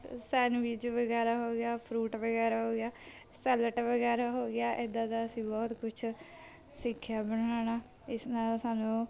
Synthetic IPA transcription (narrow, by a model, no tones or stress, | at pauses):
sɛːnʋiːd͡ʒʋəɡɛːɾaːɦoːɡɪaːpʰɾuːʈʋəɡɛːɾaːɦoːɡjaː | sɛːləʈʋəɡɛːɾaːɦoːɡɪjaːʔɪd̪ãːd̪aːəsĩːbɔːt̪kʊt͡ʃʰ | sɪkʰːjaːbəɽ̃aːñaː | ɪsnaːlsaːnũː